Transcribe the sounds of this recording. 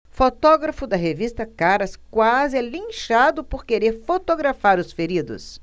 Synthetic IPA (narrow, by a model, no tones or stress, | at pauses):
fot̪ɔɡɾɐfʊd̪ɐɦevist̪ɐkaɾɐskwazɪɛlĩʃad̪ʊpoɾkeɾeɾfot̪oɡɾafaɾʊsfeɾid̪ʊ̰s